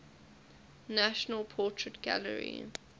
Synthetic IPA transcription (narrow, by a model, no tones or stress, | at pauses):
naʃənəlˠpʰɔˑtɹ̥ətɡ̥a̰lə̰ɹḭ